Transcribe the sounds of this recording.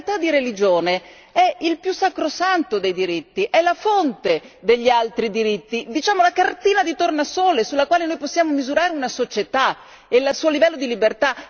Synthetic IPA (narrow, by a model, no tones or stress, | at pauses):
t̪ad̪ːiɾelid͡ʒoːne | ɛilpjusːakɾosant̪od̪ejd̪iɾit̪ːiʔɛlafont̪ed̪eʎːialt̪ɾid̪iɾit̪ːid̪it͡ʃaːmolakart̪iːnad̪it̪ornasoːlesulːakwaːlenojposːjaːmomizuɾaːɾeunasot͡ʃet̪a | elasuːolivɛlːod̪ilibert̪a